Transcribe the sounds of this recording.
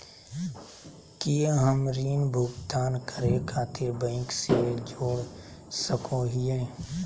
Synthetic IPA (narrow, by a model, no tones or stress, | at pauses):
kijeɦəmɾiːnbʱʊɡt̪aːnkəɾekʰaːt̪ɪɾbə̃ɪkseʋed͡ʒoːɽ | səkõːɦijẽː